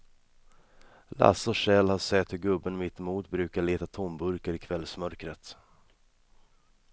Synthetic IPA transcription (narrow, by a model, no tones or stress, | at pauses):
la̰sɔʂɛlhaʂɛt̪hɵɾɡɵbːənmɪt̪muːt̪bɾʉ̟ːkaɭeːt̪at̪ʰɔmbɵɾkəɾɪkʰvɛlːsmœɾkɾət̪